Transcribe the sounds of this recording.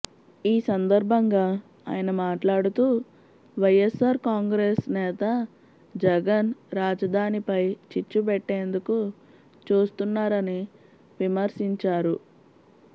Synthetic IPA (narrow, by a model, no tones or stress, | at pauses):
iːsɐnd̪ɐɾbʱɐŋɡaː | a̰ːjɐnɐmaːʈlaːɽut̪uː | ʋɐjesaːɾkaːŋɡɾeːsnɛːt̪ɐ | d͡ʒɛɡɐnɾaːd͡ʒɐd̪ʱaːnipɐjt͡ʃit͡ʃːup̬ɛʈːe̞ːnd̪uku | t͡ʃuːst̪unːaːɾɐni | ʋimɐɾsiɲt͡ʃaːɾu